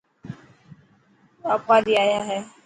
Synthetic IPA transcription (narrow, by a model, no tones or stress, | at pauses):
apwadiaːjaɦɛ